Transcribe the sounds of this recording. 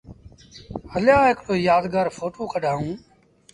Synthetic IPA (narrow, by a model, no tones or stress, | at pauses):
həljãːɦɪkɽoːjaːd̪ɡaːɾfʰoːʈoːkəɖʱaːɦũː